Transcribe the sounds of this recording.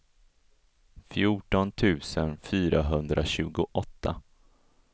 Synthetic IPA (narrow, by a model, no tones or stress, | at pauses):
fjuːʈɔnt̪ʰʉ̟ːsənfyːɾaɦɵnd̪ɾʔaɕʉ̟ːɡʊʔɔt̪ʰːa